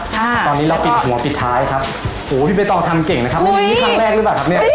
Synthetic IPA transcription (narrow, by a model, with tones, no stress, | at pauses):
t̪ɔː˧nːiː˦˥ɾa˧wpi˨˩t̪̚hu˩˦ɐpi˨˩t̪ʰːaː˦˥jkʰa˦˥p̚ | hoː˩˦pʰi˥˩pa˧jt̪ɔː˧˩ŋt̪ʰa˧mke˨˩ŋna˦˥kʰa˦˥˧i˥˧˩kʰaː˥˩ŋɾɛː˥˩k̚lɯ˦˥paː˨˩kʰa˦˥pni˥˩ɐ